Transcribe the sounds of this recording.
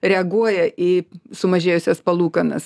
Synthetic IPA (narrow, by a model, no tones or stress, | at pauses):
ɾʲɛɐɡuɔjɛʔisʊmɐʒʲeːjʊsʲɛspɐlˠuːkɐnɐ̰s